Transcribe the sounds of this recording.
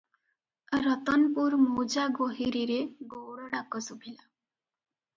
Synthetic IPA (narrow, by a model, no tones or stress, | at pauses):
ɾɔt̪ɔnpuɾmud͡ʒaɡoɦiɾiɾeɡowɽɔɽakɔsubʰʱila